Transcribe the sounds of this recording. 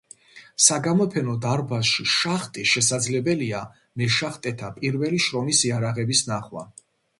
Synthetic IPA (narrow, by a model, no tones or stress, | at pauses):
saɡamɔpʰɛnɔd̪aɾbasʃiʃaχt̪ʼiʃɛsad̪zlɛbɛlia | mɛʃaχt̪ʼɛt̪ʰapʼiɾvɛliʃɾɔmisiaɾaʁɛbisnaχwa̰